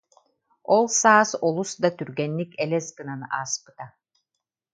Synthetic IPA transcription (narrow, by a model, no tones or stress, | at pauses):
ɔlˠsaːsɔlˠusd̪at̪yɾɡɛnːikɛlɛsɡɯnanɯʔaːspɯ̥t̪a